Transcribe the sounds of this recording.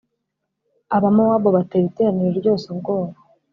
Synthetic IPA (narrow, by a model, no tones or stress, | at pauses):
aβamawaβoβateβiteɾaniɾoɾɟo̞ːseβɡo̞ːβa